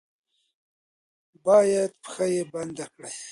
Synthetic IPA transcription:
bɑːjad̪pxajeband̪akɽaj

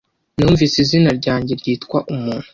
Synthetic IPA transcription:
nuːɱviːsizinaɾɟaːɲɟe̞ɾɟiːtkwaʔumuːn̥hu

